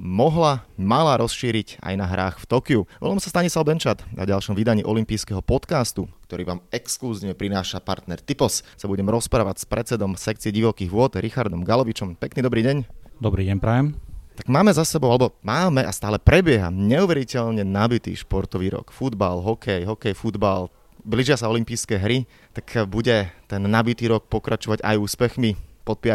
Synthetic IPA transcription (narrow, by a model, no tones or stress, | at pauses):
mɔɦlamalaɾɔsʃiːɾica̰jnaɦɾaːxft̪ɔkiuʋɔ̰lamsast̪aɲislaʊbɛnt͡ʃat̪na̰ɟalʃɔmʋid̪aɲiːʔɔlimpiːskɛɦɔpɔt̪kaːst̪ukt̪ɔɾiːʋaːmɛkskluziːʋɲɛpɾinaːʃapa̰ɾt̪nɛɾt̪ipɔssabuɟɛmɾɔspɾaːʋacspɾɛt͡sɛd̪ɔmsɛk̚t͡siɛɟiʋɔkiːɣʋʊɔd̪ɾixaɾd̪ɔmɡalɔʋit͡ʃɔmpɛkniːd̪ɔbɾiːɟɛɲd̪ɔbɾiːɟɛɲpɾajɛmt̪aɡmaːmɛzasɛbɔʊalɛbɔmaːmɛʔast̪aːlɛpɾɛbɪɛɦa̰ɲɛuʋɛɾicɛʎɲɛnabit̪ḭːʃpɔɾt̪ɔʋiːɾɔ̰kfud̪balɦɔkɛjɦɔkɛjfud̪bal | bliʒɪasaɔlimpiːskɛɦɾi | t̪akbuɟɛt̪ɛnːabit̪iːɾɔk̚pɔkɾʔat͡ʃɔʋaɟa̰juːspɛxmipɔt̪̚pia